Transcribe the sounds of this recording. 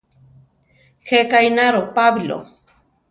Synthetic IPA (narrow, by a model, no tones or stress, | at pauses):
xekajnaɾopablo̰